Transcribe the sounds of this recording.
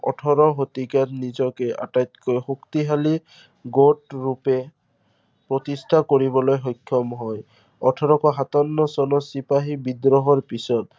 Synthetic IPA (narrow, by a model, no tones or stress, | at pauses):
ɔ̰ʈʰɔɾɔɦot̪ikatnizɔkɛʔa̰tajt̪kɔjxukt̪iɦali | ɡoʈɹupɛ | pɹɔt̪isʈʰakoɹibɔlojɦɔjkʰːɔmɦɔj | ɔʈʰɔɾɔkɔɦat̪ɔnːɔsɔnɔsipaɦibid̪ɾɔɦɔɹpisɔt̪̚